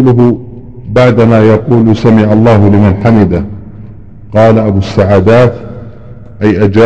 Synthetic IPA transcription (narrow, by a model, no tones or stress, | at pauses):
lʊɦʊ | baʕd̪amaːjɑquːlsamɪʕalˤːɑːɦʊlɪmanħamɪd̪a | qɑːlaʔabusːaʕaːd̪aːt̪ | ʔajʔad͡ʒa